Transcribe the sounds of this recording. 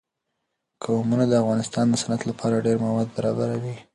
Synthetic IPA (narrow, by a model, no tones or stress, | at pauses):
kamunad̪əafɣɑnɪst̪ɑnd̪əsanat̪lapʰɑɾaɖeɾmawɑd̪̚baɾɑbaɾawi